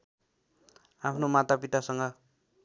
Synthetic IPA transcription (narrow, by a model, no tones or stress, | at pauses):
apʰnomat̪apit̪asʌŋɡʌ